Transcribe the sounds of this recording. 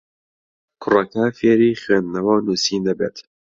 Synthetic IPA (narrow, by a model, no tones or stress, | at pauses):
kʰʊrɐkafeːɾiːχweːnd̪nɐwɐwnuːsiːnd̪ɐbeːt̪